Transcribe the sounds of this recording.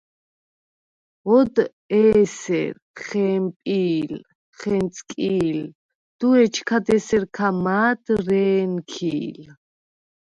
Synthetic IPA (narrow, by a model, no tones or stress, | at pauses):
ɔd̪ | ɛːsɛ̰ɾ | χɛːmpʼiːl | χɛnt̪t͡sʰʼkʼiːl | d̪̥uɛt͡ʃʰkʰad̪ɛsɛɾkʰamaːd̪ɾɛːnkʰiːl